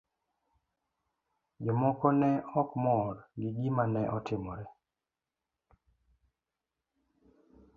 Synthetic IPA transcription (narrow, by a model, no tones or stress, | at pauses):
d͡ʒɔmɔkɔnɛɔkmɔɾɡɪɡimanɛʔɔtɪmɔɾɛ